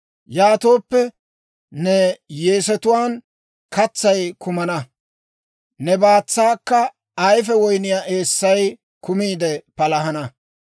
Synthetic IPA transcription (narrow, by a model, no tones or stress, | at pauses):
jaːt̪o̞ːpːɛ | nɛje̞ːsɛt̪ʊwaːn | kɐt͡sːɐjkʊmɐnɐ | nɛbaːt͡sːaːkːɐ | ɐjf̬ɛwɔjnɪjaːʔe̞ːsːɐj | kʊmiːd̪ɛpɐlɐɦɐnɐ